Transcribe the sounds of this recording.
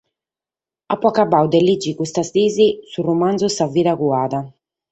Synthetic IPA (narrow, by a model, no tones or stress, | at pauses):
apːɔkabawd̪ɛlid͡ʒːikust̪ast̪iːzisurumand̪zusavːiɾaɣuaːða